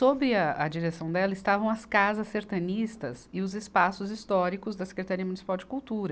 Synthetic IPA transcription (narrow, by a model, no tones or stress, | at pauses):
sobɾɪɐɐd͡ʒiɾesɐ̃w̃d̪ɛlɐɪst̪avɐ̃w̃ɐskazɐsːeɾt̪ɐ̃nist̪ɐzɪʊzɪspasʊzist̪ɔɾikʊzd̪ɐse̥kɾet̪aɾiɐmunisi̥pawd͡ʒɪkuwt̪uɾɐ